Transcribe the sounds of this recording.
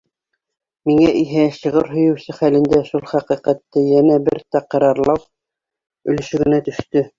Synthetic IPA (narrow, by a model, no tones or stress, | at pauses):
miŋæʔiɦæʃɤ̆ʁɤɾɦɵ̆jɵ̆wsɘχælɘ̆nd̪æʃulˠχæqiqæt̪ːɘjænæbɘɾt̪æqɑ̆ɾɑɾlˠɑw | ɵ̆lɘ̆ʃɘ̆ɡɘ̆næt̪ɵ̆ʃt̪ɵ